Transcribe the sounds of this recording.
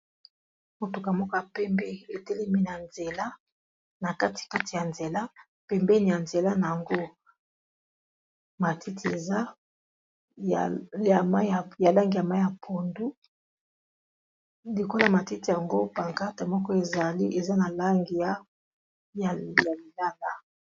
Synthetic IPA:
mo˨tu˨ka˨mɔ˦kɔ˦a˨pɛ˦mbɛ˦e˨te˦le˦mi˦na˨nze˨la˦ | na˨ka˦ti̥˨ka˦ti˨ja˨nze˨la˦ | pɛ˨mbɛ˦ni˨ja˨nze˨la˦na˨ja˨ŋɡo˦ | ma˨ti˦ti˨e˨za˦˨ | a˨ma˦a˨ja˨la˦ŋɡi˨ja˨ma˦ja˨pʰo˨ndu˦ | li˨ko˦la˦˨ma˨ti˦ti˨ja˨ŋɡo˦pa˨ŋka˦te˨mɔ˦kɔ˦e˨za˨li˦ʔe˨za˦na˨la˦ŋɡi˨ja˦ | ja˨ja˨li˨la˦la˦

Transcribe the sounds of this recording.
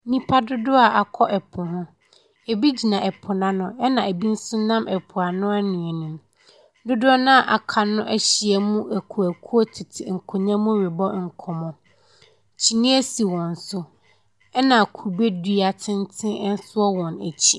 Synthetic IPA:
nĩ˦pʰa˦dʊ˦dʊ˦a˨ʔa˨kʰɔ˦ʔɛ˨pʰʊ˨hʊ̃˦ | e˨bi˦d͡ʑi˨nã˨ʔɛ˨pʰʊ˨nã˦nʊ̃˦ɛ˦nã˨æ˨bi˦n̩˦sʊ˦nã˦mʔɛ˨pʰʊ˨a˨nʊ̃˦a˦nĩ˨ɛ˨nũ˨m | dʊ˦dʊ˦ɔ˦nʊ̃˦a˨ʔa˨kʰa˨nʊ̃˦ʔæ˦ɕi˨ɛ˨mũ˦ʔæ˨kʰu˨æ˨kʰu˦ɔ˦tʰɪ˨tʰɪ̰˨ŋ̩˨kʰʊ˨ɲã˦mũ˦ɾɪ˨bɔ˦ŋ̩˨kʰɔ˨mɔ̃˨ | t͡ɕʰi˨nĩ˦æ˦si˨wɔ̃˨n̩˨sʊ˦ | ɛ˦nã˨kʰu˨be˦dɥa˨tʰɪ̃˦n˦tʰɪ̃˦ɛ˦n̩˦sʊ˦ɔ˦wɔ̃˨næ̰˨t͡ɕʰi˦˨

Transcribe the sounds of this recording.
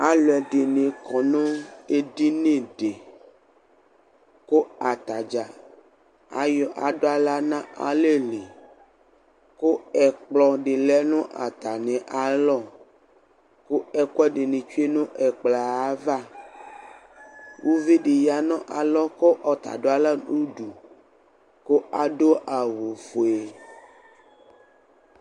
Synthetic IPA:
a˦lɛ˨ɖe˨nẽ˨kɔ˨nõ˦e˦di˦nẽ˦ɖe˨ | ko˦a˨t̪a˨d͡ʒa˨ | a̰˦jɔ˨ʔa̰˨ɖo˦a˦la˦nã˦a̰˨le˦le˨ | ko˦ɛ˨k͡plɔ˨ɖe˨lɛ˦nõ˦ʔa˨t̪a˨nẽ˨ʔa˨lɔ˦˨ | ko˦ɛ˦kwɛ˦ɖe˨nẽ˨t͡ʃu˦e˦nũ˦ʔɛ˨k͡pla˨a˦va˦ | wu˦ve˦ɖe˨ja˨nɔ̃˦ʔa˨lɔ˦kɔ˦ʔɔ˨t̪a̰˨ɖo˦a˦la˦u˦ɖu˨ | ko˦a˨ɖo˦ʔa˨wo˨fo˨e˨

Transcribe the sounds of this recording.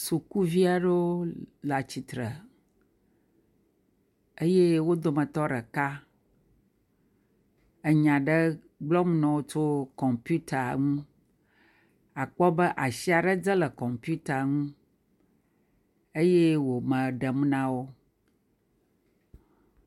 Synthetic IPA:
su˨ku˦vi˦a˨ɖə˦wo˦la˨t͡ɕi˨t̪ɾə˨ | e˦je˦wo˦d̪o˦mə̃˨t̪ɔ˦ɖə˨ka˦ | ə˨ɲã˨ɖə˦ | ɡ͡blɔ˦m˦nɔ̃˨wo˦t͡ʃo˦kɔ˨mpu˦t̪a˨ŋũ˦ | a˨k͡pɔ˦bə˦ʔa˨si˦a˨ɖə˦d͡zə˦lə˨kɔ˨mpu˦t̪a˨ŋũ˦ | e˦je˦wo˨mə̃˨ɖə˨m˦nã˦wo˦

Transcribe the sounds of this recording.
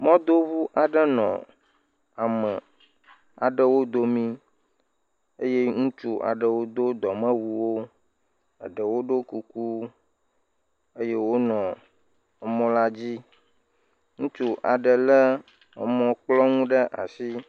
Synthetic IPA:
mɔ̃˦d̪o˦βu˦ʔa˨ɖə˦nɔ̰̃˨ | a˨mə˨ | a̰˨ɖə˦wo˦d̪o˦mĩ˦ | e˦je˦ŋũ˦t͡ʃu˦ʔa̰˨ɖə˨wo˦d̪o˦d̪ɔ˨mə̃˦wu˨wo˦ | ə̰˨ɖə˨wo˦ɖo˦ku˨ku˦ | e˦je˦wo˦nɔ̃˨ | ə˨mɔ̃˦la˦d͡ʑi˦ | ŋũ˦t͡ʃu˦ʔa˨ɖə˨lə˦ | ə̰˨mɔ̃˦k͡plɔ˦ŋũ˦ɖə˦ʔa̰˨si˦

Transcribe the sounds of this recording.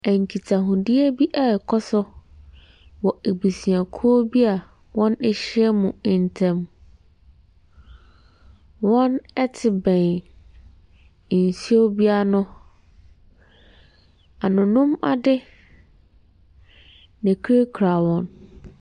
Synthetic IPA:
æ˨ŋ˨kʰi˨tʰa˨ɦʊ̃˨dɪ˦e˦bi˦ʔa˨kʰɔ˦sʊ˦ | wɔ˨e˨bi˨sĩ˨a˨kʰu˦o˦bi˦a˨ | wɔ̃˦nɪ˦ɕɪ˦ɛ˦mʊ̃˨n˨tʰɛ̃˦m | wɔ̃˦nɛ˦tʰɪ˨bɛ̃˨n˨ | n˨si˦o˦bi˦a˦nʊ̃˦ | a˨nʊ̃˨nʊ̃˦ma̰˨dɪ˦ | nã˨kʰe˦kʰɾa˨wɔ̃˦n

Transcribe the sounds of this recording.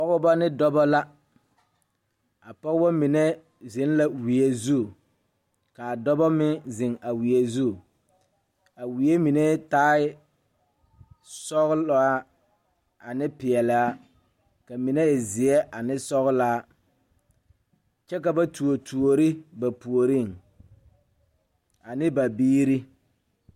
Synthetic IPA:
pɔ˦ɣʊ˦ba˦nɪ˦dɔ˦bɔ˦la˦ | a˨pɔ˦ɣba˦mi˨nɛ˦ | zɪ˨˦n˦la˦wi˨e˦zu˦˨ | ka˨a˨dɔ˦bɔ˦mɪ˦zɪ˨ŋa˨wi˨e˦zu˦˨ | a˨wi˨e˦mi˨ne˦taː˦ɪ˦ | sɔ˦ɣlɔ˨˦a˦ | a˨nɪ˦pɪ˨ɛ˨lɪ˨˦a˦ | ka˨mi˨ne˦ɛ˨zɪ˨ɛ˦ʔa˨nɪ˦sɔ˦ɣla˦ | t͡ʃɛ˦ka˨ba˦tu˨o˨tʰu˨o˨ɾɪ˦ba˨pu˨o˨ɾi˦˨ŋ | a˨nɪ˦ba˨biː˦ɾi˦

